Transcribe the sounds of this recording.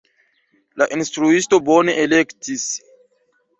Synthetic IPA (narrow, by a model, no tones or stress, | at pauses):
laʔinstɾuisto̞bone̞ʔelektis